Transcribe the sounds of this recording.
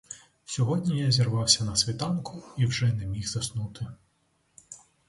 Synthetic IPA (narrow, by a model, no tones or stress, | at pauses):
sʲɔɦɔdʲnʲijazʲirʋɑwsʲɐnɐsʲʋʲit̪ɑnkʰʊiwʒɛnɛmʲixz̥ɐsnut̪ʰɪ